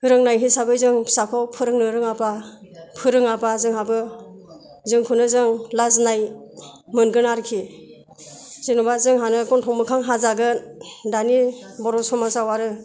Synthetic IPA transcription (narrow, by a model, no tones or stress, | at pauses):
ɯɾɯŋnajɦisabɯjzɯŋsakʰɔwpʰɯɾɯŋnɯɾɯŋabapʰɯɾɯŋabazɯŋɦabɯ | zɯŋkʰunɯzɯŋlaznaj | mɯnɡɯnaɾkʰi | z̥inɔbazɯŋɦanɯɡɔntʰɔŋmɯkʰaŋɦazaɡɯdanibɔɾɔsɔmasawaɾɯ